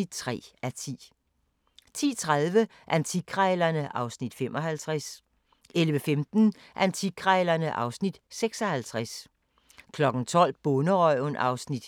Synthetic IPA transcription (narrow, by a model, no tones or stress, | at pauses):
id̥t͡sʰʁɛ̰ːæt͡sʰḭː | t͡sʰḭːt͡sʰʁaðˠʋə | ʔænt͡sʰikʰʁɛːlɐnəʔɑ̈ʊsnid̥fem̰ʔɒ̽hælt͡sʰʁas | elʋəfemd̥n̩ | ʔænt͡sʰiɡʰʁɛːlɐnəʔɑ̈ʊsnid̥seɡ̥sɒhælt͡sʰʁas | kʰlɒ̽ɡ̥n̩t͡sʰɒ̽l̰b̥ɔnəʁɒɪʊnʔɑ̈ʊsnid̥